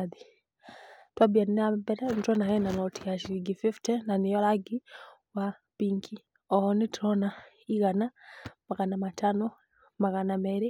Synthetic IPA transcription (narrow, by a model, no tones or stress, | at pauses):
aði | twabianinambɛɾɛnitɔnaɣɛnanɔtʰijaʃiiɡififtɛnanijɔlaɡi | wa | biŋkʰi | ɔhɔnitɾɔna | iɣanamaɣanamatʰanɔ | maɣanamɛɾi